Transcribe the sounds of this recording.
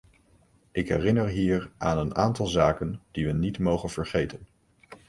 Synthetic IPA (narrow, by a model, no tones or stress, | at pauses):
ʔɪkɦɛrɪnəɹɦiːɹʔaːnənaːntɑlˠzaːkənd̥iʋənitmowχənv̥əɹχejtən